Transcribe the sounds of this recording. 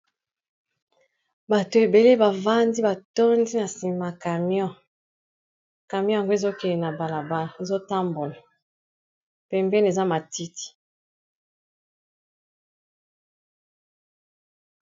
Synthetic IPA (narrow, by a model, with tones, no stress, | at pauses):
ba˨to˨e˨be˨le˦ba˨va˦ndi˦ba˨tɔ˦ndi˦na˨si˨ma˨ka˨m˦ɔ̃˦ | ka˨mj̃ja˨ŋɡo˦e˨zo˦kɛ˨le˨na˨ba˨la˨ba˦˨e˨zo˦ta˦mbo˨la˨ | pɛ˨mbɛ˦n˨e˨za˦ma˨ti˦ti̥˨